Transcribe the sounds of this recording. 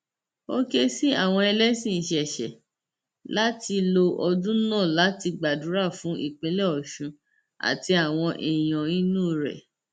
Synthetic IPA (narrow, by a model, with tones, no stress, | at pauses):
o˦ke˦si˦a˦˨w̃ɔ̃˧ɛ˧lɛ˦sĩ˦˨ʃɛ˨ʃɛ̰˨ | la˦ti˧lo˧ʔɔ˧dũ˦nɔ̃ː˦˨la˨˦ti˧ɡ͡ba˨dũ˨˦ɾa˦˨fũ˨˦ʔḭ˦˨k͡pẽ˨˦le˦ɔ˨ʃũ˧ | a̰˨ti˧a˨w̃ɔ̃˧ʔi˨j̃ɔ̃˨ĩ˦nũː˦˨ɾɛ̰˨